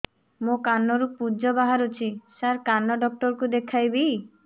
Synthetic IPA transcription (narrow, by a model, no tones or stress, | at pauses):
mokanːɔɾupud͡ʒɔbaɦaɾot͡ʃʰisaɾkanːɔɖɔk̚ʈɔɾkud̪ekʰajbi